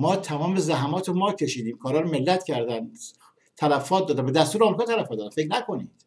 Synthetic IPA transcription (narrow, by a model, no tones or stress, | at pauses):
mɒːt̪ʰæmɒːmezæɦæmɒːt̪ʰemɒːcʰe̞ʃiːd̪iːmkʰɒːɾɒːɾome̞lːæt̪cʰæɾd̪ænd̪ | t̪ʰælæfɒːt̪̚d̪ɒːd̪æmbe̞d̪æst̪uːɾeɒːmɾikɑːt̪ʰælæfɔt̪ːd̪ænfeknækʰo̞niːd̪̥